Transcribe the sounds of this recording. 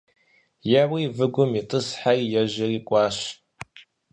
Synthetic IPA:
jɛwiːvɨɡʷʊmitʼɨsħajjɛʒɪriːkʷʼɑːɕ

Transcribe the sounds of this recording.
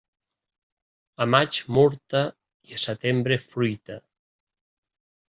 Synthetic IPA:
əmat͡ʃmɔɾt̪a | iəsət̪embɾefɾujt̪a

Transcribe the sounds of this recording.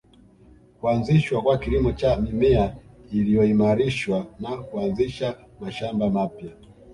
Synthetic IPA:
kuanziʃwakwakilimɔt͡ʃamimɛailijɔimaɾiʃwanakuanziʃa | maʃambamapja

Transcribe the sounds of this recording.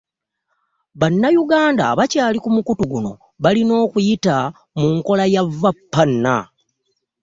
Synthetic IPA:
βanːajuɡaːnda̰βacaːlikumukutuɡuno̞̰ | βalino̞ːkujita | muŋko̞lajavːapːanːa̰

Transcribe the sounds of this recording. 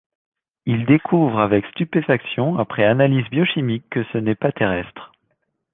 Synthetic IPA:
ild̪ekʰuvʁavɛkst̪ypefaksjɔ̃apχɛanalizbjɔʃimikːəsənɛpat̪eʁɛst̪χ

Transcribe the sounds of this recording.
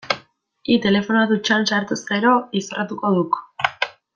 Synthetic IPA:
it̪e̞le̞fo̞nat̪ut͡ʃansaɾt̪usɡe̞ɾo̞isorat̪uko̞ðuk

